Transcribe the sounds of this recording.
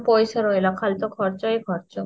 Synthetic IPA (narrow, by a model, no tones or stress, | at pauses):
pojʃaɾoelakʰalt̪okʰɔɾt͡ɕajkʰɔɾt͡ɕo